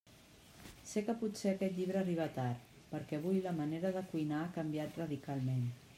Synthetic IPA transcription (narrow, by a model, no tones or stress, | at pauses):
sekəput̪seəkɛt̪ʎiβɾəːriβ̞at̪aɾ | pəɾkɛβ̞ujləməneɾəðəkujnaːkəmbjat̪rəðikalˠmen